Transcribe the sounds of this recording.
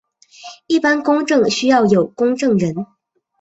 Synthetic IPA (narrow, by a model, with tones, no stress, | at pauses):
i˥˩pa˥nkʊ˥ŋʈ͡ʂɤ˥˩ŋɕy˥jɑ˥˩ʊjo˨˩ʊkʊ˥ŋʈ͡ʂɤ˥˩ŋɻə˧˥n